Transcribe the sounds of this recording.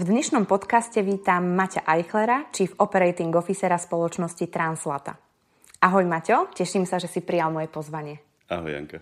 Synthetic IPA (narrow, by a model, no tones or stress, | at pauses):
vd̪ɲɛʃnɔmpɔt̪kascɛʋiːt̪amːacaʔajxlɛɾat͡ʃifɔpɛɾɛjt̪iŋɡɔfisɛɾaspɔlɔt͡ʃnɔscit̪ɾanslat̪a̰ | ʔaɦɔjmacɔcɛʃimsaʒɛsipɾijalmɔjɛpɔzʋaɲɪɛ | a̰ɦɔ̰ja̰ŋka